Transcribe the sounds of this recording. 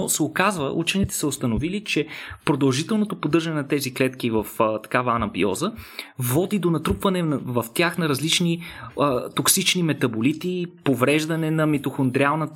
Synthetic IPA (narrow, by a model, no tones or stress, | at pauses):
sɛokazvəʔut͡ʃɛnit̪ɛ̥səost̪ɐnovilit͡ʃɛpɾod̪ɐlˠʒit̪ɛlˠnot̪opod̪ɤɾʒɐnɛnɐt̪ɛziklɛt̪kivɐft̪ɐ̥kavɐːnɐbḭɔ̰zəvɔd̪id̪onɐt̪ɾupvɐnɛvɐft̪ʲjaxnɐɾɐzlit͡ʃni | t̪oksit͡ʃnimɛt̪ɐbolit̪ipovɾɛʒd̪ɐnɛnɐmit̪oxond̪ɾialˠnə